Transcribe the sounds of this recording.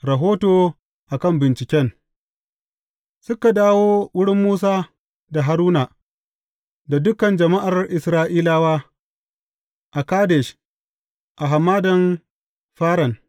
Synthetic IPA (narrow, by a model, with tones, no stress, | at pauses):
ɾɐ˨ɦoː˦toː˨ | ʔa˨kɐ˦mbɪ˨nt͡ʃɪ˨kʲɛ˦n | sʊ˦ka˨daː˦woː˦wʊ˦ɽɪ˦mːuː˦s̬aː˦ | da˨ɦa˨ɾuː˦na˨ | da˨dʊ˦kɐ˨nd͡ʒɐ˨ma˦ʔa˨rʔɪ˨sɾaː˦ʔiː˦laː˦waː˦ | ʔa˨kaː˦de˨ʃ | ʔa˨ɦa˨mːaː˦dɐ˨n | ɸaː˦ɾɐ˨n